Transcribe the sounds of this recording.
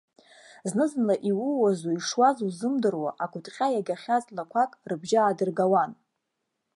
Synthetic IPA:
znɨzɨnlaʔiwʊwazuiʂwazuzɨmdɨrwa̰ʔakʷʰʊtʼχʲajaɡʲaχʲazʼlakʷʰakʼrɨbʒaːdɨrɡawan

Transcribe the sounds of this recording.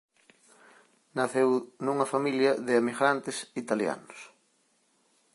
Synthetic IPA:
naθewnuŋɐfamiljɐðɪemiɣɾant̪ɪsit̪alja̰nos

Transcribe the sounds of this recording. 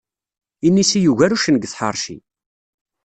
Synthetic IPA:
inːisijuʝæɾuʃənəɡθħə̰ɾˤʃḭ

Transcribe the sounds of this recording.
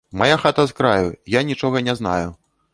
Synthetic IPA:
majaxat̪ɐzkɾajujanʲit͡ʂɔɣɐnʲɛzna̰ju

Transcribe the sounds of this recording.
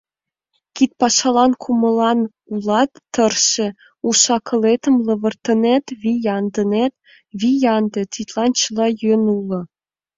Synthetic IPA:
kʲit̪̚pɑʃɑlˠɑnkʰumɤ̆lˠɑn | ulˠɑt̪ːɤ̆rʃĕ | uʃɑkʰɤ̆let̪ə̆mlɤ̆βɤ̆rt̪ɤ̆net̪βʲijɑnd̪ɤ̆net̪ | βʲijɑnd̪ɤ̆t̪ʲit̪ʲlˠɑnt͡ɕɤlˠɑjønulˠɤ̆

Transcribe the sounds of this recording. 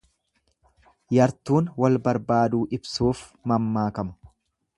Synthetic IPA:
jɐɾt̪uːnwɐlbɐɾbaːd̪uːʔɪbsuːfmɐmːaːkɐmɐ̥

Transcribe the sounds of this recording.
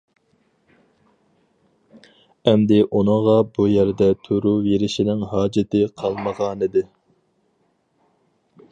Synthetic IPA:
ɛmd̪ɪʔunɨʁɑbujæɾd̪ɛt̪ʰøɾuveɾɪʃinɪŋɦɑːd͡ʒɪt̪ʰɪqʰɑlˠməʁɑːnɨd̪ɪ

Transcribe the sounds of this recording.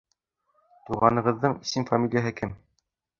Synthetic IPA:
t̪uʁɑnɤ̆ʁɤ̆ðːɤɴisinfɐmʲilʲjaɦɘkɘm

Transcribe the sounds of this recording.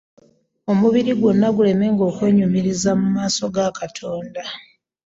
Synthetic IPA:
o̞muβiɾiɡwunːaɡule̞me̞ŋɡo̞ːkwe̞ːɲumiɾizamumaːso̞ɡakatʰo̞ːnda

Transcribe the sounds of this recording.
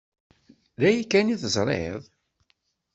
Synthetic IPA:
ðæjikːæniθəzˤɾˤḛðˤ

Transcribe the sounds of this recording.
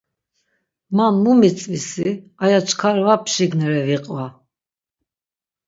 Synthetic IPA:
manmumit͡sʼvisiajat͡ʃʰkʰaɾvapʰʃiɡnɛɾɛviqʼva

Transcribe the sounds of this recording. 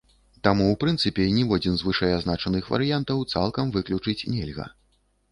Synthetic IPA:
t̪amuwpɾɨnt̪sɨpʲɛnʲivɔd͡zʲinzvɨʂɐjaznat͡ʂɐnɨxvɐ̰ɾɨjant̪ɐwt̪sa̰lˠkɐmvɨklʲut͡ʂɨt͡sʲnʲɛlʲɣɐ̰

